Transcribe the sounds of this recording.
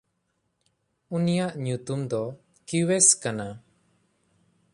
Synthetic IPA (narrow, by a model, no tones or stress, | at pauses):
unijaʔɲut̪umd̪ɔ | kiwɛskana